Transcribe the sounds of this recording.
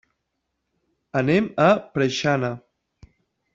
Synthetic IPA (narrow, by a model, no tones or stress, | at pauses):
əneməpɾəʃanə